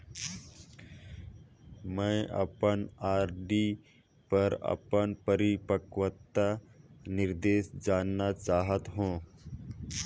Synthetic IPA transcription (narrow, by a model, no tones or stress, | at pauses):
mɛ̃ʔɐ̰pənaːɾɖi | pəɾɐ̰pənpəɾipəkʋət̪ːanɪɾd̪eːsd͡ʒaːnːat͡ʃaːɦət̪ɦũː